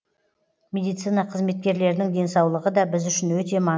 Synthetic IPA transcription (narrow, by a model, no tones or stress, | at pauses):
mʲe̞d̪ijt̪sɨjnɑqʰəzme̞t̪̚kʲe̞ɾle̞ɾd̪ɪŋd̪e̞nsɑwlˠəʁəd̪ɑbɪzʏʃɪnwɵt̪e̞mɑ